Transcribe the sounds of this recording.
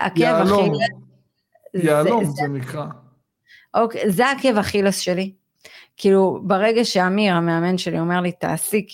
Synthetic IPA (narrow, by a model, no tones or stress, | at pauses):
a̰kevaloilo | zjalomzenikʁa | ʔokezeake̞vaχilosʃe̞li | kʰiːlubaʁe̞ɡaʃeamiʁameame̞nʃe̞lio̞me̞ʁlit̪a̰ːsik